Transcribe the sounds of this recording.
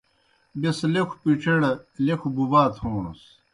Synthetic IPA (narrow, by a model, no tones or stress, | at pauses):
beslekʰu̥piʈ͡ʂʰeɽɐlekʰububaːt̪ʰhoːnṵs